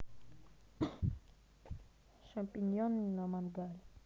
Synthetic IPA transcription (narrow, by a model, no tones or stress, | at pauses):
ʃampinɔninamanɡal